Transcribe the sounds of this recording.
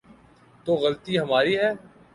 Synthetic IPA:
t̪oːɣɐlt̪iːɦɐmaːɾiːɦɛː

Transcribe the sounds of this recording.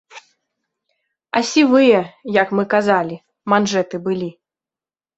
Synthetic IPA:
ɐsʲivɨjɛjɐkmɨkazalʲi | manʐɛt̪ɨbɨlʲi

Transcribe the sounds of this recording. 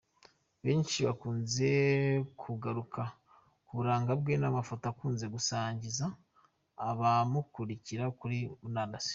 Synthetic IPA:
βe̞ːnʃiβakuːnze̞kʰuɡaɾukʰa | kuβuɾaːŋɡabɡenamafotaakuːnze̞ɡusaːɲɟizaː | βamukuɾiciɾakuɾiunanasi̥

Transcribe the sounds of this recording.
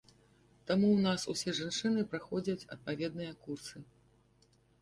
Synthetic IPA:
t̪amuwnasusʲɛʐant͡ʂɨnɨpɾaxɔd͡zʲɐt͡sʲɐ̰t̪̚pavʲɛd̪̚nɨjɐkursɨ

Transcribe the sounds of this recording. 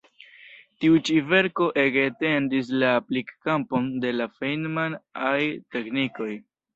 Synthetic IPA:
tiut͡ʃive̞ɾko̞ʔe̞kete̞ndis̬laːplikːampo̞nde̞lafejnmanajte̞kniko̞j

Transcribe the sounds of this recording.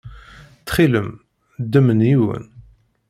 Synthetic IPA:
t͡sːχiləm | d̪ːəməniwə̰n

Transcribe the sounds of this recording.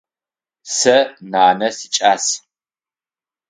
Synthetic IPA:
sɐnaːnɐsit͡ʃʼaːs

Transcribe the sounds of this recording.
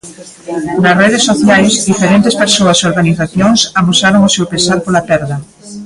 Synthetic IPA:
nɐsreðesːoθjajsd̪ifeɾent̪espeɾsoɐsoɾɣaniθaθjoŋsamusaɾoŋosewpesaɾpolapɛɾðɐ

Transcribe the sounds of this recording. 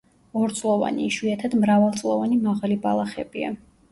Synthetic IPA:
ɔɾt̪sʼlˠɔva̰nḭːʃwiat̪ʰad̪mɾavalˠt̪sʼlˠɔvanimaʁalibalˠaχɛ̰b̥ia̰

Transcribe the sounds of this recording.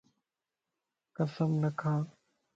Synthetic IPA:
kəsəmnəkʰaː

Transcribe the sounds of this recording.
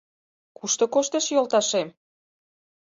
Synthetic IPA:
kuʃt̪ŏkoʃt̪eʃjolt̪ɑʃem

